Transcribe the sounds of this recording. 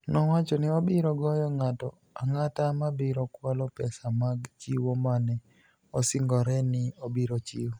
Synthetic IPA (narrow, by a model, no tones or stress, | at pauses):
nɔwat͡ʃɔnɪɔbɪɾɔɡɔjɔŋatɔ̰ | aŋatamabɪɾɔkwalɔpɛsamaɡt͡ʃiwomanɛ | ɔsɪŋɡɔɾɛnɪobiɾot͡ʃiw